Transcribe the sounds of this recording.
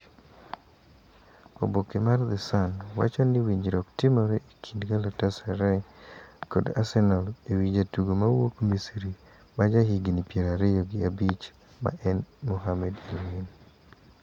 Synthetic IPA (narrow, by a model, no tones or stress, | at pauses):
o̰bokemard̪ɛsanwa̰t͡ʃonɪwiɲd͡ʒɾɔktɪmɔɾɛʔikʰindɡalatasɛɾɛ | koda̰sɛnalewid͡ʒatuɡomawokmisɾi | mad͡ʒaɦiɡinipjeɾaɾɪjoɡɪabit͡ʃ | ma̰ʔɛnmɔɦamɛdilwin